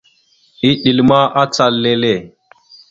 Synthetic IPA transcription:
i˦ɗi˨lma˦ʔa˦t͡sa˨lːe˦le˦˨

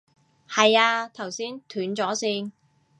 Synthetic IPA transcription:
hɐ˨jaː˧t̪ʰɐ˨˩wsiː˥nt̪ʰyː˨˥nt͡sɔː˨˥siː˧n

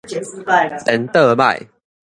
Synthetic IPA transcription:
t̪ə˨˦nt̪ə˥˧ma̰˥˨j

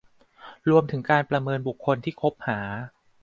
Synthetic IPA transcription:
ɾu˧əmt̪ʰɯ˩˦ŋkaː˧npɾa˧mɤː˧nbu˨˩kʰːo˧nt̪ʰiː˥˩kʰo˦˥p̚haː˩˦

